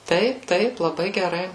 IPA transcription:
ˈtɐɪp ˈtɐɪp lˠɐˈbɐɪ ɡʲɛˈrɐɪ

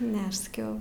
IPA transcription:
ˈnʲɛ ɐʃ sɐˈkʲɛʊ

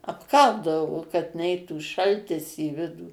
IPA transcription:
ɐpˈkɐlˠdɐʋoː kɐt ˈnʲɛɪtuː ˈʃɐlʲtʲɪs iː ˈʋʲɪduː

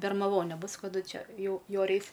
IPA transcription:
bʲɛrmɐˈʋoːnʲeː ˈbʊs kɐˈdʊ ˈt͡ʃʲɛ ˈjɛʊ ˈjoːrʲɛ ˈɛɪs

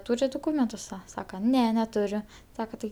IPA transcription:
ˈtuːrʲɪt dʊˈkuːmʲɛntʊs ˈsɐ ˈsɑːkɐ ˈnʲɛ nʲɛˈtʊrʲʊ ˈsɑːkɐ tɐɪ

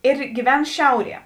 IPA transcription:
ɪr ɡʲiːˈʋʲɛn ˈʃʲɛʊˌrʲiɛ

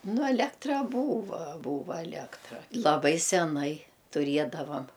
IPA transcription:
ˈnʊ ɐˈlʲæːktrɐ ˈbuːʋɐ ˈbuːʋɐ ɐˈlʲeːktrɐ lˠɐˈbɐɪ sʲɛˈnɐɪ tʊˈrʲiɛdɐʋɐm

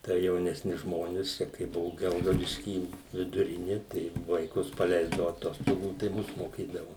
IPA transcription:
tɐɪ jɛʊnʲɛsʲˈnʲʊs ˈʒmoːnʲɪs ˈt͡ʃʲɛ kɐɪ ˈbʊʋʊ ˈɡʲɛlˠɡɐʊdʲɪʃʲkʲiː ʋʲɪdʊˈrʲɪnʲɪ tɐɪ ʋɐɪˈkʊs pɐˈlʲɛɪzdɐʋʊ ɐˈtoːstoːɡuː tɐɪ ˈmʊs moːˈkʲiːdɐʋʊ

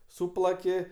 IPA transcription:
ˈsuːplˠɐkʲɪ

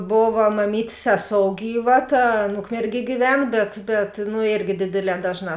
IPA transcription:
ˈboːʋɐ mɐˈmʲiːtʲeːs ˈsʲæːˌsoːʊ ˈɡʲiːˌʋɐ ˈtɐ ˈɐn ˈʊkmʲɛrʲˌɡʲiɛ ɡʲiːˈʋʲɛn ˈbʲɛt bʲɛt nʊ ˈeːrʲɡʲɪ ˈdʲeːdʲeːˌlʲɛː ˈdɑːʒˌnɑː

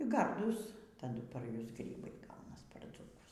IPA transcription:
ˈɡɐrduːs tɐˈdʊ pɐr ˈjʊs ˈɡrʲiːbɐɪ ˈɡɐʊnɐs pɐr d͡zuːˈkʊs

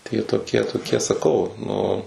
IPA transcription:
tɐɪ jiɛ toːˈkʲiɛ toːˈkʲiɛ sɐˈkɐʊ nʊ

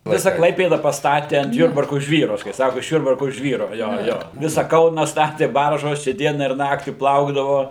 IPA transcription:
ˈʋʲɪsɐ ˈklˠɐɪpʲeːdɐ pɐsˈtɑːtʲɪ ɐnt ˈjʊrbɐrkʊ ˈʒʲʋʲiːrʊ kɐɪ ˈsɑːkʊ ɪʃ ˈjʊrbɐrkʊ ˈʒʲʋʲiːrʊ ˈjoː ˈjoː ˈʋʲɪsɐ ˈkɐʊnɐ ˈstɑːtʲeː ˈbɐrʒoːs t͡ʃʲɛ ˈdʲiɛnɐ ɪr ˈnɑːktʲiː ˈplˠɐʊɡdɐʋoː

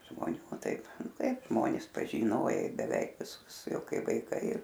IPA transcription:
ʒmoːˈnʲuː ˈtɐɪp ˈtɐɪbˈʒmoːnʲɪs pɐʒʲiːˈnoːjɛɪ bʲɛˈʋʲɛɪk ʋʲɪˈsʊs ˈjɛʊ ˈkɐɪ ʋɐɪˈkɐɪ

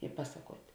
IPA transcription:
ɪ ˈpɑːsɐˌkuɔtʲ

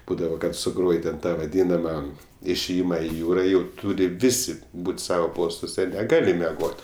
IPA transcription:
ˈbuːdɐʋoː kɐt sʊˈɡroːj tʲɛn ˈtɑː ʋɐˈdʲiːnɐmɐ ɪʃʲeːˈjɪmɐ ɪ ˈjuːrɐ jɛʊ ˈtuːrʲɪ ˈʋʲɪsʲɪ ˈbuːt ˈsɑːʋoː ˈpoːstuɔsʲɛ nʲɛˈɡɑːlʲɪ mʲɛˈɡoːt

